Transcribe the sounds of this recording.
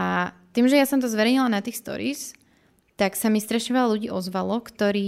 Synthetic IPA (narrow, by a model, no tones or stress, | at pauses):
a | t̪iːmʒɛjasɔmt̪ɔzʋɛɾɛɲilanat̪iːxst̪ɔ̰ɾḭːs | t̪aksamist̪ɾɛʃɔʋalaluɟiːʔɔzʋalɔkt̪ɔɾiː